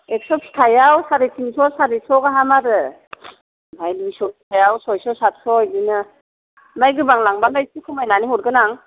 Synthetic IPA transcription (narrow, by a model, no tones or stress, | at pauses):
ek̚sɔpʰi̥tʰajawsaɾitʰinsɔsaɾisɔɡaɦamaɾɯ | bajdbisɔpʰi̥tʰajawsɔjsɔsat̚sɔjdinɯ | majɡɯbaŋlaŋbanajsikʰɯmajnaniɦɔɾɡɯnaŋ